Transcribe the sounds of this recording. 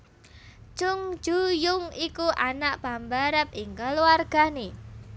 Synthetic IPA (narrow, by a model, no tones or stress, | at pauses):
t͡ʃʊŋ̥d͡ʒ̥ujʊŋikuʔanaʔb̥ambaɾəp̚ɪŋkəluarɡ̥a̤ne